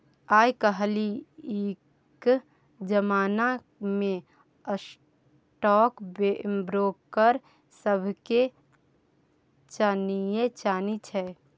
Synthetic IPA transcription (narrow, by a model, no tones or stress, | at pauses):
aːjkəɦlieː | k | d͡ʒəmaːna | mẽ | əs | ʈɔːkbebɾoːkːəɾ | səbʱke | t͡ʃanijet͡ʃaːnit͡ʃʰɛː